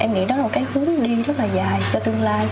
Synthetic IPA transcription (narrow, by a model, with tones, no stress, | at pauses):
ʔɛ˧mŋḭ˧˥nɔ˨˦lːo˨˩t̚kaː˨˦jhɨ˨˦əŋɗi˧zə˦˥t̚laː˨˩zaː˨˩jt͡ɕɔ˧t̪ɨ˧əŋlaː˧j